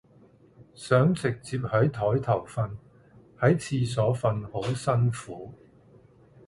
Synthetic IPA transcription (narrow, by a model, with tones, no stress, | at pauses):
sœː˨˥ŋt͡sɪ˨k̚t͡siː˧p̚hɐ˨˥jt̪ʰɔː˨˥jt̪ʰɐ˨˩wfɐ˧n | hɐ˨˥jt͡sʰiː˧s̬ɔː˨˥fɐ˧nho˨˥wsɐ˥nfuː˨˥